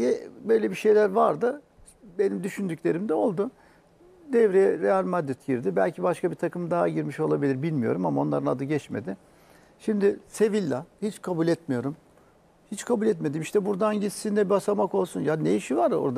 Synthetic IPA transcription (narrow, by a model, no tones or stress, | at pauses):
jɛbø̞jlʲe̞biʃe̞jlʲæɾvaɾd̪ɯ | be̞nimd̪yʃynd̪ycʲlʲe̞ɾimd̪ɛo̞lˠd̪ʊ | d̪ɛvɾejɛɾealʲmad̪ɾit̪ɟiɾd̪ibælʲcʰibaʃkʰabit̪ʰakʰɯmd̪aɦaɟiɾmiʃo̞lˠabilʲiɾbilʲmijo̞̰ɾumamao̞nˠaɾɯnˠa̰d̪ɯɟɛt͡ʃme̞̰d̪ɪ | ʃimd̪ɪse̞vilʲːahit͡ʃkʰabulʲɛt̪mijo̞ɾum | hit͡ʃkʰabulʲɛt̪me̞d̪imiʃt̪ɛbuɾd̪anɟit̪sind̪ɛbasamako̞lˠsunjanejiʃivaɾo̰ɾd̪a